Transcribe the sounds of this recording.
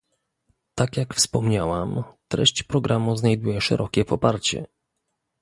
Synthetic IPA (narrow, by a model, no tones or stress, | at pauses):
t̪akʲjakfspɔmɲawamt̪ɾɛ̰ɕt͡ɕpɾɔɡɾʔamuznajd̪ujɛʂɛ̰ɾʔɔkʲɛpɔpaɾt͡ɕɛ̰